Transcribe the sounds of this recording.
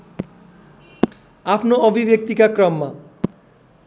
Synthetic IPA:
apʰnoobʱibek̚t̪ikakɾɔmːa

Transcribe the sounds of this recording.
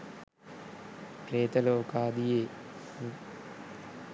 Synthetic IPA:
kɾeːt̪ɐloːkaːd̪ijeː

